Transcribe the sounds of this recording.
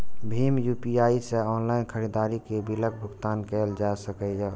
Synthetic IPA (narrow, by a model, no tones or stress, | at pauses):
bʱiːmjuːpiaːiseɔːnlaːɪnkʰəɾid̪aːɾikebɪlək̚bʱʊɡt̪aːnkɛːld͡ʒaːsəkəja